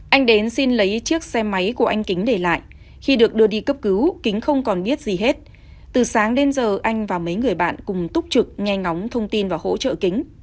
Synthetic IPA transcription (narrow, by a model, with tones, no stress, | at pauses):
ʔa˧jŋ̟ɗe˨˦nsi˧nlə˨˦jt͡ɕɨ˦˥ək̚sɛ˧ma˨˦jku˧˩əʔa˧jŋ̟kï˨˦ŋ̟ɗe˧˩la̰ː˧˨jʔ | xi˧ɗɨ˨˩ək̚ɗɨ˧əɗi˧kə˦˥p̚kɨ˨˦wkï˨˦ŋ̟xə˧wŋ͡mkɔ˨˩nɓi˦˥ət̚zi˨˩ɦe˦˥t̚ | t̪ɨ˨˩saː˨˦ŋɗe˨˦nzəː˨˩ʔa˧jŋ̟vaː˨˩mə˨˦jŋɨ˨˩əjɓa̰ː˧˨nkʊ˨˩ŋ͡mt̪ʊ˦˥k͡p̚t͡ɕɨ˨˩k̚ŋɛ˧ŋa˨˦wŋ͡mt̪ʰə˧wŋ͡mt̪i˧nvaː˨˩ho̰˧˥t͡ɕə̰ː˧˨kï˨˦ŋ̟